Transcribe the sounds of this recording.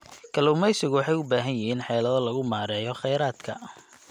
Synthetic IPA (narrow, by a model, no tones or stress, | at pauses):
kʰɐluːmɛjsɪɣʊwɑħɑjʊbaːɦɐnjɪɦiːnħɛːlɐðɔlɐɣʊmaːɾɛːjɔχɛjɾaːd̪̥kʰɐ̰